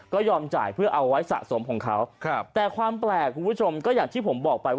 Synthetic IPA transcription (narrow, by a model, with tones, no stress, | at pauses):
kɔː˥˩jɔː˧mt͡ɕa̰ː˨˩jpʰɯ˥˩ɐʔa˧wːa˦˥jsa̰˨˩so˩˦mkʰɔ̰ː˩˦ŋkʰa˦˥wt̪ɛː˨˩kʰwaː˧mplɛː˨˩kʰːu˧npʰu˦˥˩t͡ɕʰo˧mkɔː˥˩jaː˨˩ŋt̪ʰiː˥˩pʰo˩˦mbɔː˨˩k̚pa˧j